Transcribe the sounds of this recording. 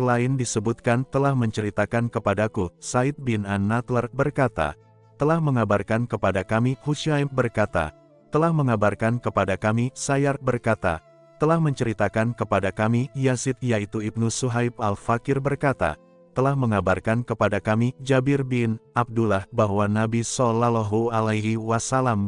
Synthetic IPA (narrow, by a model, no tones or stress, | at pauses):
əlaɪndisəbut̪̚kant̪əlahməɲt͡ʃəɾit̪akankəpadakusaɪt̪̚binanːat̪lərbərkat̪a̰ | t̪əlahməŋabarkankəpadakamihut͡ʃaimbərkat̪a̰ | t̪əlahməŋabarkankəpadakamisajarbərkat̪a̰ | t̪əlahməɲt͡ʃəɾit̪akankəpadakamijasɪt̪̚jait̪uib̚nusuɦajp̚alfakɪrbərkat̪a̰ | t̪əlahməŋabarkankəpadakamid͡ʒabɪrbɪnab̚dulahbaɦwanabisɔlalɔɦualajɦiwasalam